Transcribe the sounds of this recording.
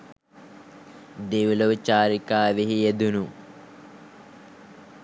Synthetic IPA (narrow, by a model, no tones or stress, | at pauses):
ɖiʋloʋit͡ʃaːɾikaːʋiɦijed̪unu